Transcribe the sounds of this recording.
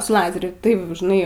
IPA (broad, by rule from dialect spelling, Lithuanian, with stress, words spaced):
sʊ ˈlˠɑːzʲɛrʲʊ ˈtɐɪp ʒʲɪˈnɐɪ